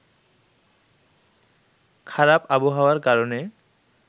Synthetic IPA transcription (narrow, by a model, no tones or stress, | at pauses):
kʰaɾapaboɦaoaɾkaɾone